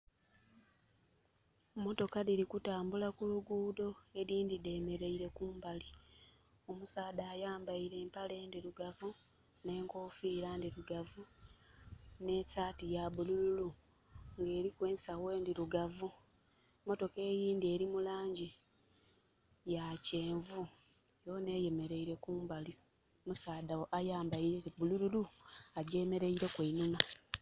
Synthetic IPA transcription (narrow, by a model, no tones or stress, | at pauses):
mo̞to̞kaðiɾikutaːmbulakuluɡuːdo̞e̞ɾiːndide̞ːme̞ɾe̞iɾe̞kuːmbali | o̞musaːdaːjaːmbaiɾe̞ːmpale̞ːndiɾuɡavu | ne̞ːŋko̞ːfiːɾandiɾuɡavu | ne̞ːcaːtijaβulululu | ŋɡe̞ːɾikwe̞ːsawe̞ːndiɾuɡavu | mo̞to̞ke̞ːjiːndie̞ːɾimulaːɲɟi | jace̞ːɱvu | jone̞ːje̞me̞ɾe̞iɾe̞kuːmbaljo | musaːdawoʔajaːmbaiɾeβulululuaɟe̞me̞ɾe̞iɾe̞kweinuna